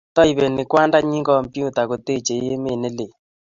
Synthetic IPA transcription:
tɔ˦i˨βe˨nɪ˨kwa˦nda˦ɲi˦ŋɡɔ˨mpju˦ta˨ko˨te˦t͡ʃe˨je˦me˨ne˦le˨

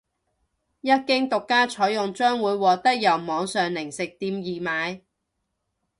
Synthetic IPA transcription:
jɐ˥t̚kɪ˥ŋt̪ʊ˨kːaː˥t͡ʃʰɔː˨˥jjʊ˨ŋt͡ʃœː˥ŋwuː˨˧jwɔː˨t̪ɐ˥k̚jɐ˨˩wmɔː˨˧ŋsœː˨ŋlɪ˨˩ŋsɪ˨k̚t̪iː˨˧mjiː˨maː˨˧j

